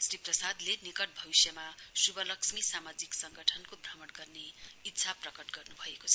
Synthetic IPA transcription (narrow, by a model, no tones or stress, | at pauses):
sriprʌsad̪lenikʌʈ̚bʱʌbisjʌmasubʌlʌksmisamad͡ziksʌŋɡʌʈʰʌnkoprʌmʌʈɡʌrneit̪ːsʰaprʌkʌʈɡʌrnubʱʌekot͡sʰʌ